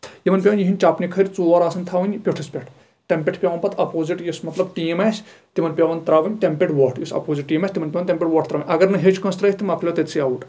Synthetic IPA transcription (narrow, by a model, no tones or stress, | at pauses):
jimɐnpʲɐʋɐnʲjiɦinʲt͡ʃapnʲikʰɐɾʲt͡suːɐɾaːsɐnʲt̪ʰaːʋɐnʲpʲoʈʰɨspʲɐʈʰ | ʈempʲeʈʰpʲjaʋɐnpɐt̪ʰɐpoːziʈjismɐt̪lɐbʈiːmaːsʲ | t̪imɐnʲpʲɐʋɐnt̪ɾaːʋɐnʲʈempʲeʈʋɐʈʰjisɐ̰poːziʈːiːmaːsʲt̪imɐnʲpʲɐʋɐnt̪empʲeʈʋɐːʈʰt̪ɾaːʋɐnʲɐɡɐɾnɨɦet͡ʃkɐ̃nst̪ɾɐt̪ʰɨmɐpʰlʲot̪et̪sʰiaːʋuʈ